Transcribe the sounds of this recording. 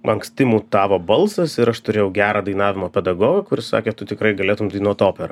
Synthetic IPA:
ɐŋksʲt̪ʲɪmuːt̪ɑːʋoːbɐlˠsɐsɪɾɐʃt̪ʊɾʲeːjɛʊɡʲæːɾɑːd̪ɐɪnɑːʋʲɪmoːpʲɛd̪ɐɡoːɡɐkʊɾʲɪsɑ̰ːkʲeːt̪ʊt̪ʲɪkɾɐɪɡɐlʲeːt̪ʊmt̪ʲinuɔt̪oːpʲɛɾɐ

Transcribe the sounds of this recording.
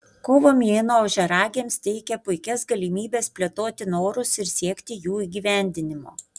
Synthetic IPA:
koːʋoːmʲeːnoːɐʊʒʲɛɾɑːɡʲeːmst̪ʲɛɪkʲɛpʊɪkʲɛsɡɐlʲɪmʲiːbʲeːspʲlʲɛt̪oːt̪ʲɪnoːɾʊsɪɾsʲiɛkt̪ʲɪjuːiːɡʲiːʋʲæˑnʲd̪ʲɪnʲɪmo̰ː

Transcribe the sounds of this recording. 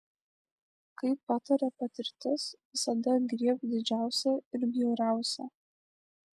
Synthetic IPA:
kɐɪpːɑt̪ɐɾʲɛpɐt̪ʲɪɾʲt̪ʲɪsʋʲɪsɐd̪ɐɡɾʲiɛp̚d̪ʲɪd͡ʒʲæˑʊsʲɛɪɾbʲjɛʊɾʲæˑʊsʲɛ

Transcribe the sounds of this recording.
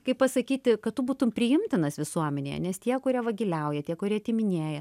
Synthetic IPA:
kɐɪpɐsɐkʲiːt̪ʲɪkɐtt̪ʊbuːt̪ʊmpʲɾʲɪjɪmʲt̪ʲɪnɐsʋʲɪsuɔmʲɛnʲḛjɛ̰nʲɛst̪ʲiɛkʊɾʲiɛʋɐɡʲɪlʲɛʊjɛt̪ʲiɛkʊɾʲiɛɐtʲɪmʲɪnʲeːjɛ

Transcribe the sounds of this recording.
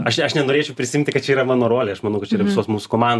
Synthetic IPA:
ɐʃɐʃnʲɛnoːɾʲeːt͡ʃʲɛʊpʲɾʲɪsʲɪɪmʲnt̪ʲɪkɐt̪̚t͡ʃʲɛiːɾɐmɑːnoːɾoːlʲeːɐʃmɐnɐʊkɐt̪̚t͡ʃʲɛiɾɐʋʲɪsoːsmuːsʊ̥koːmɑnd̪

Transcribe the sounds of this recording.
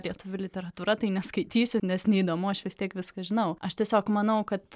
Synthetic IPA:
lʲiɛt̪ʊʋʲʊlʲɪt̪ʲɛɾɐt̪uːɾɐt̪ɐɪnʲɛskɐɪt̪ʲiːsʲʊnʲɛsnʲɛid̪oːmʊɐʃʋʲɪst̪ʲiɛkʋʲɪskɐʒʲɪnɐʊʔɐʃt̪ʲiɛsʲoːkmɐnɐʊkɐt̪

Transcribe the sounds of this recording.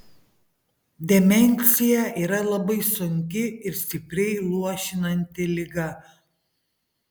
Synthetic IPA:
d̪ʲɛmʲɛnʲˑsʲɪjɛʔiːɾɐlˠɐbɐɪsʊŋʲkʲɪɪɾsʲt̪ʲɪpʲɾʲɛɪlˠuɔʃʲɪnɐnʲt̪ʲɪlʲɪɡɐ

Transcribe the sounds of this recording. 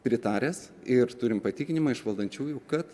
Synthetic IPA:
pʲɾʲɪt̪ɑːɾʲesɪɾt̪ʊɾʲɪmpɐt̪ʲiːkʲɪnʲɪmɐɪʃʋɐlˠd̪ɐnʲt͡ʃʲuːjʊkɐt̪

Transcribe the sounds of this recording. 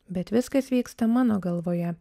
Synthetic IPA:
bʲɛt̪ʋʲɪskɐsʋʲiːkst̪ɐmɑːnoːɡɐlˠʋoːjɛ

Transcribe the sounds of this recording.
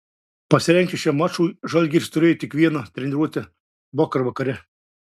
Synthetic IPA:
pɐsʲɪɾʲɛŋʲkʲɪʃʲɛmɑt͡ʃuːjʒɐlʲɡʲist̪ʊɾʲeːjt̪ʲɪkʋʲiɛnɐt̪ʲɾʲɛnʲɪɾuɔt̪ʲɛ | boːkɐɾʋɐkɐɾʲɛ

